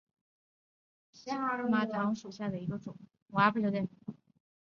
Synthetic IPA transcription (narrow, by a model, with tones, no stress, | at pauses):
ɕɛ˥a˥ə˧˥ma˧˥t̪ʰɑ˧˥ŋʂu˨˩ɕja˥˩d̪ə˩i˧˥ɡə˧ʈ͡ʂʊ˨˩˦ŋ | wa˧˥pə˥d̪ɛ˥˩